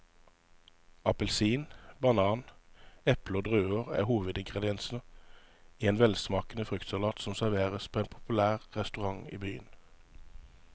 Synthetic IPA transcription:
ɑpəlsiːnbɑnɑːnɛpləoːd̪ʁʉːəʁæ̰ːhuːʋəd̪ɪŋɡʁɛd̪ɪɛnsn̩ə | iːeːnʋɛlsmɑːkənəfʁʏkt̪sɑlɑːt̪sɔmsæʁʋeːʁəspʰoːeːnpʰʊ̥pʉlæːʁʁɛst̪ʉʁɑŋḭːbyːə̰n

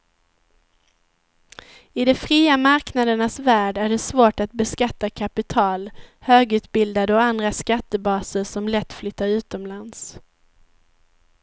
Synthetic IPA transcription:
ɪd̪ɛfɾiːamaɾknad̪əɳasvæːɖæɖɛsvoːʈat̪̚bɛskat̪ːakʰapɪt̪ʰɑːlhøːɡʉ̟ːt̪bɪld̪ad̪əɔand̪ɾaskat̪ːəbɑːsəsɔmlɛt̪ːflʏt̪ːaɾʉ̟ːt̪ɔmlans

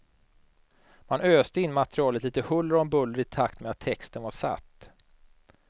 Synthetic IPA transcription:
manøːst̪əɪnːmat̪ɛɾɪɑːlət̪liːt̪əhɵlːəɾɔmbɵlːəɾɪt̪ʰakt̪meat̪ʰːɛkst̪ənvaʂa̰t̪ː

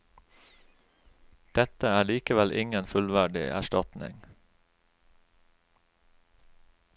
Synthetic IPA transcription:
d̪̥ɛt̪əæːɭiːkəʋɛlʔɪŋənfʉlʋæɖɪ̰ʔæ̰ʃtɑt̪nɪ̰ŋ

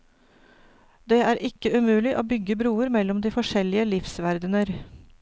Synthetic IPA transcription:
d̪eːæːɾʔɪkəʉmʉːlɪʔoːbʏɡəbɾuːəɾmɛlɔmd̪iːfɔʂɛlɪəlɪfsʋæɾd̪ənəɾ

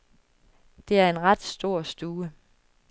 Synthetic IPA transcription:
d̥e̝æɐe̝nʁɑd̥sd̥o̝ɐ̰sd̥uːə

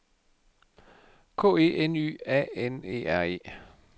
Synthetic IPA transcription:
kʰo̰ːe̝̰ːʔeny̰ːɛ̰ːenḛːæɐe̝̰ː

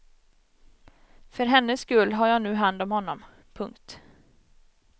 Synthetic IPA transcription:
fœɾɦɛnːəskɵlːɦaɾjɑːnʉ̟ːɦand̪ɔmhɔnːɔm | pʰɵŋkt̪

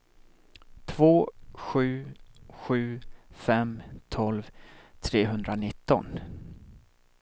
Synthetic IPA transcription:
t̪ʰvoːɧʉ̟ːɧʉ̟ːfɛmt̪ʰɔlvt̪ʰɾeːɦɵnd̪ɾanɪt̪ːɔ̰n

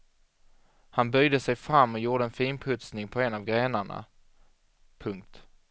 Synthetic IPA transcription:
hanbœjd̪əsɛjfɾamːɔjuːɖəɛnfiːnpʰɵt̪snɪŋpʰɔɛnavɡɾeːnaɳa̰ | pʰɵŋk̚t̪

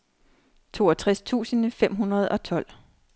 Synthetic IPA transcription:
t͡sʰo̝ːɒt͡sʰʁast͡sʰṵːsənəfem̰ɦunʁɐð̞̩ˠɒ̽t͡sʰɒ̽l̰

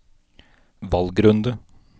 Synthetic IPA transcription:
ʋɑlɡɾɵnd̪ə

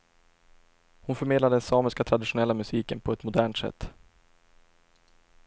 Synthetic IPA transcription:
hʊnfœɾmeːd̪ad̪əɛnsɑːməskat̪ʰɾad̪ɪɧʊnɛlːamɵsiːkənpʰɔɛt̪mʊd̪æːɳʈsɛ̰t̪ː

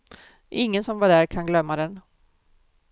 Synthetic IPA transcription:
ʔɪŋːənsɔmvaɖæːɾkʰanɡlœmːad̪ɛn

